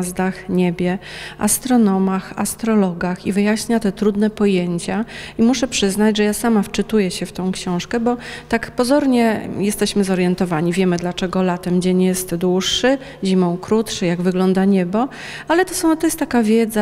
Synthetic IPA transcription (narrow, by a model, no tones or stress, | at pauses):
zd̪axɲebʲjɛa̰st̪ɾɔnɔmaxa̰st̪ɾɔlɔɡaxivɘjaɕɲat̪ɛt̪ɾud̪nɛpɔjeɲt͡ɕaimuʂɛpʂɘznad͡ʑʐɛjasamaft͡ʂɘt̪ujɛɕɛft̪ɔ̃w̃kɕɔ̃w̃ʂkɛbɔt̪akpɔzɔɾɲɛjɛst̪ɛɕmɘzɔɾjɛnt̪ɔvaɲivʲjɛmɘd̪lat͡ʂɛɡɔlat̪ɛmd͡ʑeɲjɛst̪d̪wuʂːɘ | ʑimɔ̃w̃kɾut̪ʂɛjaɡvɘɡlɔnd̪aɲɛbɔ | alɛt̪ɔsɔ̃t̪ɔjɛst̪ːakavʲjɛd̪za